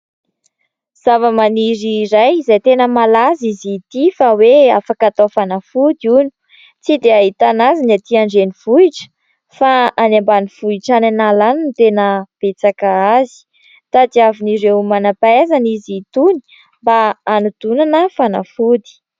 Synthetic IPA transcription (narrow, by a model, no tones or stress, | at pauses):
z̥avəmaniɾiɾajizajt̪enəmalazizit̪ifaweafakat̪ofanafud̪iunu̥ | t͡sid̪eaɦit̪anazinat̪iaɳɖ͡ʐenivuiʈ͡ʂə̥ | faanambaniv̥uiʈ͡ʂananalanint̪enəb̥et͡sakaazi̥ | t̪at̪iaviniɾewmanapaezanizit̪uni̥ | mbaːnud̪unanəfana̰fud̪i̥